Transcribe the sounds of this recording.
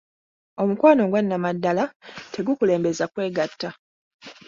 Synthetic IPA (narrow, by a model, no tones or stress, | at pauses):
o̞mukwaːno̞ɡwanːamadːalatʰe̞ɡukule̞ːmbe̞zakwe̞ːɡatːa